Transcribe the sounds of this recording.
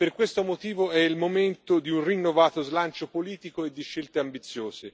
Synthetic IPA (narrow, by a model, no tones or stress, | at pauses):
perkwest̪omot̪iːvoɛilmoment̪od̪iunrinːovaːt̪ozlant͡ʃopoliːt̪ikoed̪ːiʃːelt̪eambit̪sːjoːze